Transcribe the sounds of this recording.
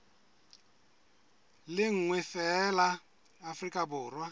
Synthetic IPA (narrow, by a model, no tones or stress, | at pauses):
lɪŋ̩ŋwɛfɛlaː | frikʼabʊːrwa